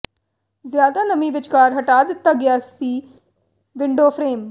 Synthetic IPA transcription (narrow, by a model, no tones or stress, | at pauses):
zjaːd̪aːnəmĩːʋɪt͡ʃkaːɾɦəʈaːd̪ɪt̪ːaːɡɪjaːsiː | ʋɪɳɖoːpʰɾeːm